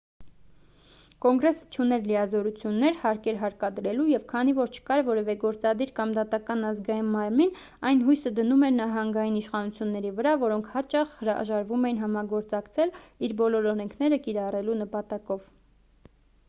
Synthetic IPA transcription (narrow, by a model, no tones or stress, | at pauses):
kɔŋɡɾɛsə̥t͡ʃʰunɛɾlijɑzɔɾut͡sʰjunːɛɾhɑɾkɛɾɦɑɾkɑd̪əɾɛlujɛvkʰɑnivɔɾt͡ʃʰə̥kɑɾvɔɾɛvɛɡɔɾt͡sɑd̪iɾkɑmd̪ɑt̪ɑkɑnɑzɡɑjinmɑɾmin | ɑjnɦujsəd̪ənumɛɾnɑɦɑŋɡɑjiniʃχɑnut͡sʰjunːɛɾivəɾɑvɔɾɔŋkʰhɑt͡ʃɑχhəɾɑʒɑɾvumɛjinɦɑmɑɡɔɾt͡sɑkt͡sʰɛliɾbɔlɔɾɔɾɛŋkʰnɛɾəkiɾɑrɛlunəpɑt̪ɑkɔv